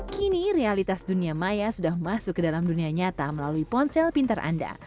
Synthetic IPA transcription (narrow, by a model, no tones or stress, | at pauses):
kiniɾealit̪asduniamajasudahmasʊkːədalamduniaɲat̪aməlaluipɔnsɛlpint̪arʔa̰nda̰